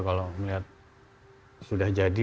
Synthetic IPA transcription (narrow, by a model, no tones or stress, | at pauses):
kaloməliɦat̪̚ | sudahd͡ʒadi